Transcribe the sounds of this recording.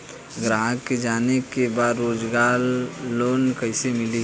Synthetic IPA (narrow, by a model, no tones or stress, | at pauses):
ɡɾaːɦə̃ked͡ʒaːnekebaːd̪ɾoːd͡ʒɡaːlːoːnkəɪsemɪli